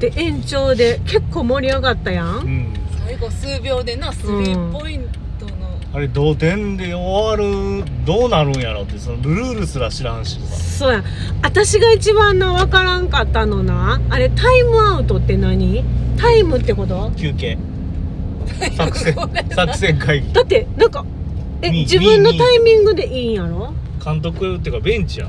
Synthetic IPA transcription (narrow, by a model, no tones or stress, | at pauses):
t̪e̞ʔẽ̞ɲ̟t͡ɕo̞ːd̪e̞ke̞kːo̞ːmo̞ɾʲiaɡat̪ːajãŋɯ̟̃ɴsaiɡo̞sɨːbʲo̞ːd̪e̞nasoɯ̃ipo̞ĩntt̪ono | aɾe̞d̪oːt̪ẽ̞nd̪eoβaɾɯ̟d̪o̞ːnaɾɯ̟̃ɰ̃jaɾot̪ːesonobɯ̟ɾɯːɾɯ̟sɨɾaɕiɾãɰ̃ɕisa̰so̞ːjã | at̪aɕiɡait͡ɕiβãnːaβakaɾãŋkat̪ːano̞naːɾe̞t̪aimɯ̟aɯ̟t̪o̞t̪ːe̞naɲ̟it̪aimɯ̟t̪ːe̞ko̞t̪o̞kʲʰɨːkẽ | sakɯ̥ẽsakɯ̥sẽ̞ŋkaiɡid̪at̪ːe̞nãŋka | ed͡ʑibɯ̟̃nːo̞t̪aimʲĩŋɡɯ̟d̪e̞ʔĩːjaɾo̞kʰãnt̪̬o̞kɯ̟et̪ːejɯ̟kabẽ̞ɲt͡ɕija̰